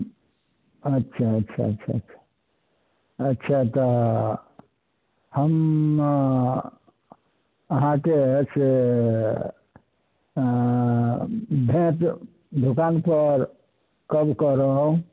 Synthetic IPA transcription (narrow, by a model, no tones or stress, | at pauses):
ətːʃʰaətːt͡ʃʰa̰ətːʃʰa̰ətːt͡ʃʰḁ | ətːʃʰat̪ɔ | həm | əɦãkese | bʱẽt̪ | d̪ʱukanpəɾ | kəbkəɾəɦũ